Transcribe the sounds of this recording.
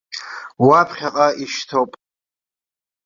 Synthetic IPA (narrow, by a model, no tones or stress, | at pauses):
wapʰχʲaqʼaiʃtʰowpʼ